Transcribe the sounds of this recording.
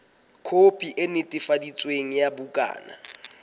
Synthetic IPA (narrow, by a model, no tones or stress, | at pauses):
kʰopʼiʔenɪtʼɪfadit͡sʼweŋ̩jabukʼa̰ːna̰